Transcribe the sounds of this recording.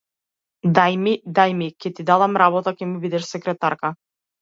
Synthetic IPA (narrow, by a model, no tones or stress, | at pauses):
d̪ajmid̪ajmikʲɛt̪id̪alˠamɾabɔt̪akɛmubid̪ɛʃsɛkɾɛt̪aɾka